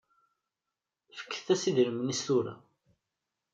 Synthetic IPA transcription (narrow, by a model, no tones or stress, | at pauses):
fə̥kːθθæsiðɾəmnist̪uɾa̰